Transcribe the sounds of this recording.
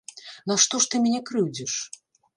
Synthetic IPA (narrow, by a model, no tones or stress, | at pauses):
naʂt̪ɔʂt̪ɨmʲɛnʲɛkɾɨwd͡zʲɛʂ